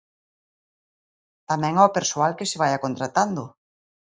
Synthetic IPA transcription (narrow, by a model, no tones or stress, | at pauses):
t̪amɛ̃ŋaopeɾsoalkesɪβ̞ajakont̪ɾat̪and̪o